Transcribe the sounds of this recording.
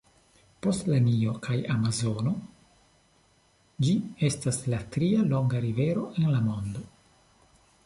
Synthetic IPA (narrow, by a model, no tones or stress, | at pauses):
po̞stlanio̞kʰajamazo̞no̞ | d͡ʒie̞staslat̪ɾialo̞ŋɡaɾive̞ɾo̞ʔe̞nlamo̞nd̪o̞